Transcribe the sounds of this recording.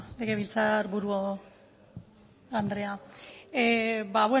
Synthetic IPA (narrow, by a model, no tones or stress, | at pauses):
leɣeβilt͡saɾbuɾuo | and̪ɾe̞a | baβwe